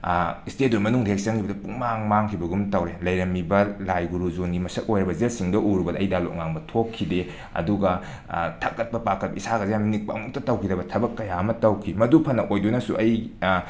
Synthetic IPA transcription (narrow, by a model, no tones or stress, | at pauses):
istet̚umɐnuŋdek̚sɐŋkʰibɐdɐpuŋmaŋmaŋkʰibɐɡumtɐwɾelɐjɾɐmibɐlajɡuɾuzonɡimɐsɐt̚ojɾɐbɐzesiŋdɐʔuɾubɐdɐjdalo̰ʔ̚ŋaŋbɐtʰokkʰːide | ɐ̰duɡɐ | tʰɐkːɐt̚pɐpakʰːɐt̚pɐisaɡɐzjaminik̚pɐɐ̰muk̚tɐtɐwkʰidɐbɐtʰɐbɐkːɐjaɐmɐtɐwkʰimɐdupʰɐnːɐʔojdunɐsuʔɐj